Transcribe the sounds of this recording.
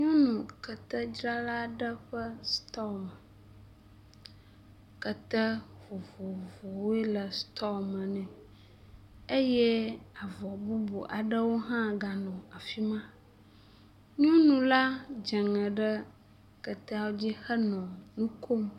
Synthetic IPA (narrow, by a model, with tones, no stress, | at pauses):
ɲɔ̃˦nũ˨kə˨t̪ə˦d͡ʒɾa˦la˦ɖə˦ɸə˦st̪ɔ˦mə˨ | kə˨t̪ə˦vo˨vo˨vo˨we˦lə˨st̪ʰɔ˦mə˨nɛ̃˨ | e˦jɛ˦a˨vɔ˨bu˦bṵ˨ʔa̰˨ɖə˦wo˦ɦã˦ɡa˨nɔ̃˨a˨fi˦mã˦ | ɲɔ̃˦nũ˨la˦d͡ʒə˨ŋə̃˨ɖə˦ | kə˨t̪ɛ˦wo˦d͡ʑi˦xə˦nɔ̃˨nũ˦kʰo˦m